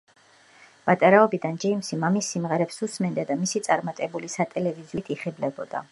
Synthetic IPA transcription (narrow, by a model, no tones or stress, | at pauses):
b̥at̪ʼaɾaɔbid̪and͡ʒɛimsimamisːimʁɛɾɛpsusmɛnd̪ad̪amisit̪sʼaɾmat̪ʼɛbulisat̪ʼɛlɛviziut̪ʰiχɛblɛbɔd̪̥a̰